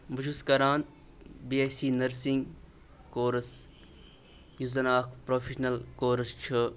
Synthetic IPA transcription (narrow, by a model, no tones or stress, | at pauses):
bʱɐʃʰuskɐɾaːn | biːeːsiːnɐɾsĩŋɡ | koːɾɐs | juzɐnaːkʰpɾoːpʰiʃnɐlkoːɾɐst͡ʃʰɐ